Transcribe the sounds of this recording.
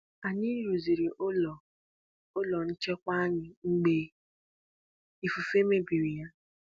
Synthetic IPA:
a˨ɲi˦ɾu˨zi˨ɾi˨ʔo˦lɔ˨ | o˦lɔ˨n̩˦t͡ʃe˦kʷa˦ɲɪ˨ŋ͡m̩˦ɡ͡be˦ | i˨fu˨fe˦me˦bi˨ɾi˨ja˦

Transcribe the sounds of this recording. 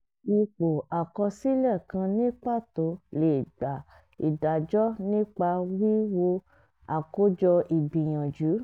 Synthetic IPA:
i˧k͡po˨a˨kɔ˧si˦lɛ˦˨kã˧nĩ˦k͡pa˦˨to˨˦le˨ɡ͡ba˨ | i˨da˨d͡ʒɔ˦nĩ˦k͡pa˧wi˦wo˧ | a˨ko˦d͡ʒɔ˧ʔi˨bĩ˨j̃ã˨d͡ʒu˨˦

